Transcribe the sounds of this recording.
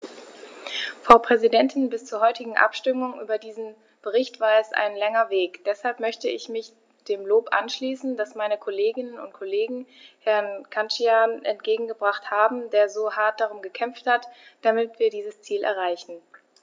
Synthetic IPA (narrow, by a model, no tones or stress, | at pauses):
fapʁ̥ɛzidɛntʰɪnbɪst͡suːɐɦɔʏtɪɡŋ̩ʔa̰pʃtʏmʊŋʔy̰ːbɐdiːzn̩ | b̥əʁɪçtv̥aːɐɛsʔa̰ɪnlɛŋɐveːkd̥ɛshalpmœçtəɪçmɪç | d̥eːmloːpʔa̰nʃliːsn̩d̥asmaɪnəkʰoleːɡɪnənʊ̰nt̚kʰoleːɡŋ̩hɛɐnkʰant͡ʃiaːnʔɛ̰ntɡ̥eːɡŋ̩ɡəbʁaχthaːbm̩deːɐzoːhaɐt̚d̥aʁʊmɡəkʰɛmfthatd̥amɪtv̥iːɐdiːzəst͡siːlʔɛ̰ɐʁ̞aɪçn̩